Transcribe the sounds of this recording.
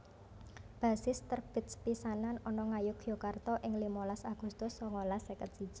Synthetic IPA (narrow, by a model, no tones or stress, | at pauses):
b̥a̤sɪst̪ərb̥ɪ̤t̪̚spisananɔnɔŋajʊkjokart̪ɔʔɪŋlimɔlasaɡ̥ṳst̪ʊsːɔŋɔlasɛkət̪̚si̥d͡ʒ̥i